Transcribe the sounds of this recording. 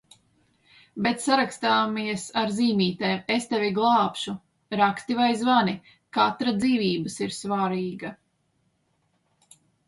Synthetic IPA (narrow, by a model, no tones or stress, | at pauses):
bet̪saɾakst̪aːmiɛsaɾziːmiːt̪ɛːmest̪ɛvʲiɡlˠɑːpʃu | ɾakst̪ivajzvani | kat̪ɾad̪ziːvʲiːbəsiɾsvaɾiːɡɐ